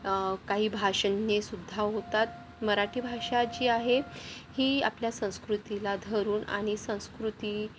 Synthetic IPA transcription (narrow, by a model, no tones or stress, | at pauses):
kaɦiːbʱaʂənːesud̪ʱːaɦot̪at̪̚ | məɾaʈʰiːbʱaʂat͡ɕiːaɦehiːa̰pljasə̃w̃skɾut̪ilad̪ʱəɾuːna̰ɽ̃isə̃w̃skɾut̪iː